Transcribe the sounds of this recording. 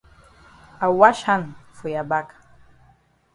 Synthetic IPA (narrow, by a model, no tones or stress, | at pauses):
awaʃanfujabakʼ